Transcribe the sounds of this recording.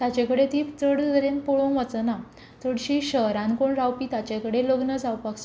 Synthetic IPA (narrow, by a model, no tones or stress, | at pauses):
t̪jat͡ɕekəɽet̪iːt͡səɽd̪əɾenpoɭõʋət͡səna | t͡səɽɕiɕəɦɾãnkoɳɾawpiːt̪at͡ɕekəɽeloɡnəd͡zawpaks